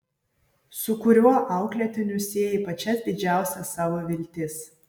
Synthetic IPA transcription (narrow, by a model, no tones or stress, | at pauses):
sʊkʊɾʲuɔʔɑˑʊklʲet̪ʲɪnʲʊsʲeːjipɐt͡ʃʲɛsd̪ʲɪd͡ʒʲæˑʊsʲɛsɑːʋoːʋʲɪlʲt̪ʲɪs